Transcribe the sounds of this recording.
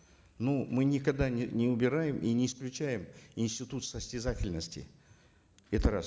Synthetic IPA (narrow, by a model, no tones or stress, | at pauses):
numɨnʲɪkɐɡd̪anʲɪnʲɪʊbʲɪɾajɪmʔinʲɪːsklʲʉt͡ɕæjɪmɪnsʲtʲɪt̪ut̪səsʲtʲɪzatʲɪlʲnəsʲtʲɪ̰ | ɛt̪əɾas